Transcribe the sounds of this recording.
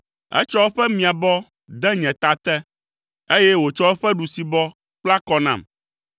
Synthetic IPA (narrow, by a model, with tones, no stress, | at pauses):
ɛ̰˦t͡ʃɔ˦wɛ˦ɸɛ˦mĩ˨a˨bɔ˦ | d̪ɛ˦ɲɛ̃˨t̪a˨t̪ɛ˦ | e˦jɛ˦wo˨t͡ʃɔ˦ɛ˦ɸɛ˦ɖu˨si˨bɔ˦ | k͡pla˦kɔ˦nã̰˨m